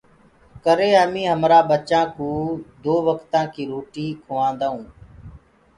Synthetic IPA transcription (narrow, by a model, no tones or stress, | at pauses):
kəɾeːəmĩːɦəmɾaːɓət͡ʃãːkũːd̪oːʋəkt̪ãːkiːɾoːʈiːkʰoʋãːnd̪aːũː